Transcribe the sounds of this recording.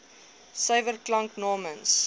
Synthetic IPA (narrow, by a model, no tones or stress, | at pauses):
səjvərklɐŋknɔːməns